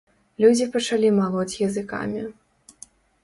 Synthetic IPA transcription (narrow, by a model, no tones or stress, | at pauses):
lʲud͡zʲipɐt͡ʂalʲimalˠɔt͡sʲjɐzɨka̰mʲi